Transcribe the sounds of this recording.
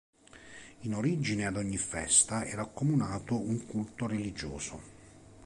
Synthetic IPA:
inoɾid͡ʒinead̪ɔɲːifɛ̰st̪aɛ̰ːɾaːkːomunaːt̪ouŋkult̪oɾelid͡ʒoːso

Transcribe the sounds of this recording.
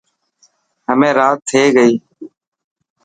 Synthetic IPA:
ɦəmẽːɾaːt̪ʰːeːɡəiː

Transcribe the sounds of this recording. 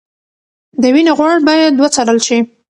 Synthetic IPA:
d̪əwineɣwɑɽbɑjad̪̚ːwat͡saɾəlʃi

